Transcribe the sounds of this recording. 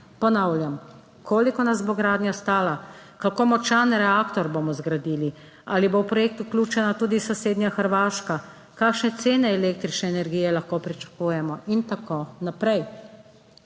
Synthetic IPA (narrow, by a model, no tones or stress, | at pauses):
pɔnawlʲjam | koːlikɔnazboːɡɾaːd̪nʲjast̪aːlakakoːmɔt͡ʃanɾɛaːkt̪ɔɾboːmɔzɡɾad̪iːli | aːlibowpɾɔjek̚t̪uklʲuːt͡ʃɛnat̪uːd̪isaseːd̪njaxəɾʋaːʃka | kaːkʃnɛt̪seːnɛːleːk̚t̪ɾit͡ʃnɛːnɛɾɡijɛlaxkoːpɾit͡ʃḁkujɛmɔʔint̪akoːnapɾɛj